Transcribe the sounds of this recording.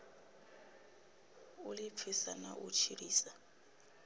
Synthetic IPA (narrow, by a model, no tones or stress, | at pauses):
ulip̪fʰisanaʔṵt͡ʃʰiriːsa